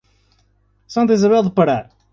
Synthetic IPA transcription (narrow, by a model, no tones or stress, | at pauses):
sɐ̃nt̪izɐβɛlˠd̪ɨpɐɾaɾ